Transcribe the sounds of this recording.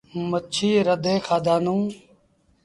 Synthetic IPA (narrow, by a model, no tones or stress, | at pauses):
mət͡ʃʰiːɾəd̪ʱẽːkʰaːd̪aːnũː